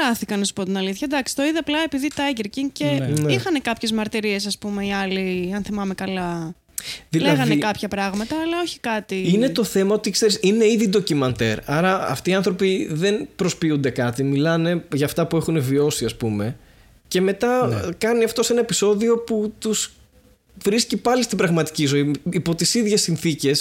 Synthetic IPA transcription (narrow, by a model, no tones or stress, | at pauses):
ɾɐθikɐnɐsu̥po̞t̪inɐliθçɐd̪ɐksi̥t̪o̞iðiɐplɐe̞piðit̪ɐʝeɾciŋcenixɐne̞kɐpçe̞zmɐɾt̪iɾie̞sɐspume̞iɐliɐnθimɐme̞kɐlɐ | ðileɣɐnekɐpçɐpɾɐɣmɐt̪ɐːlɐo̞çi̥kɐt̪iine̞t̪o̞θe̞mɐo̞t̪ikse̞ɾisine̞iðid̪o̞cimɐnt̪e̞ɾɐɾɐɐ̰ft̪iːɐnθɾo̞piðe̞npɾo̞spiund̪e̞kɐt̪imilɐne̞ʝɐːft̪ɐpue̞xune̞vio̞siɐspume̞ | ce̞me̞t̪ɐkɐniɐft̪o̞senɐepiso̞ðio̞put̪us | vɾiscipɐlist̪ibɾɐɣmɐt̪i̥cizo̞iːpo̞t̪isiðʝe̞sːinθice̞s